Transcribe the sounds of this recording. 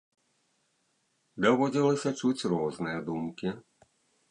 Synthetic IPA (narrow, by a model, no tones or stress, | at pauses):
d̪ɔʋɔɟilisat͡ʃucɾʊɔznɛːd̪uːmki